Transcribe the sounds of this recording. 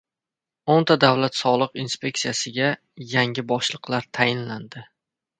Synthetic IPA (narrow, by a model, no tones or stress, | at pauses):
ont̪ʰad̪avlat̪sɒlˠɨqinspʲe̞k̚sijasɪɡʲa | jaŋʲɪbɒʃlˠɨqlˠaɾt̪ʰajɪnland̪ɪ